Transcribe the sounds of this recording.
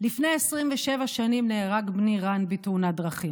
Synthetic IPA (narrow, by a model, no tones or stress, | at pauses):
lifnejesʁimveʃevaʃanimneːʁaɡbniʁanbitunadʁaχim